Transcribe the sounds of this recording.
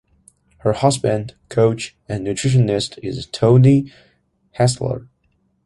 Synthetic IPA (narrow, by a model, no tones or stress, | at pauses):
hə˞hɑzbɨ̃ndkʰoʊt͡ʃ | ɨ̃nːɨtʰɹ̥ɪʃ̬ɨ̃nɪstʰɪztʰõʊni | hæslə̰˞